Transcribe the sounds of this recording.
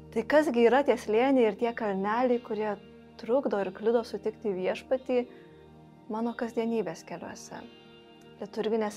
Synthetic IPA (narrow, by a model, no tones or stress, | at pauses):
t̪ɐɪkɐzɡʲɪiːɾɐt̪ʲiɛsʲlʲeɛnʲɛɪɪɾt̪ʲiɛkɐlʲnʲæːlʲɛɪkʊɾʲiɛ | t̪ɾʊɡd̪oːɪɾklʲɪd̪oːsʊt̪ʲɪkt̪ʲiːʋʲiɛʃpɐt̪ʲiː | mɑːnoːkɐzʲd̪ʲiɛnʲiːbʲeːskʲɛlʲo̰ːsʲɛ̰ | lʲiɛt̪ʊɾʲɡʲɪnʲeːs